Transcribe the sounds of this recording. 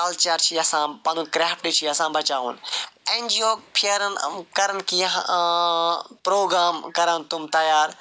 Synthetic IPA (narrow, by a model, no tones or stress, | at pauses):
alt͡ʃɐɾt͡ʃʰiɐsãpãnũkɾɛːfʈit͡ʃʰiɐsãbʱɐt͡ʃaːṵ̃ːnẽːɲd͡ʒioːpʰiəɾənkɐɾənkʰiː | pɾoːɡɾaːmkɐɾənt̪ʊmt̪ɐjaːɾ